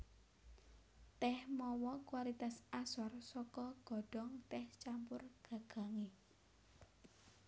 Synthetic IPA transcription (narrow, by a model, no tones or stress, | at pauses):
t̪ɛhmɔwɔkwalit̪asasɔrsɔkɔɡ̥ɔ̤ɖ̥ɔ̤ŋt̪ɛht͡ʃampʊrɡ̥a̤ɡ̥a̤ŋe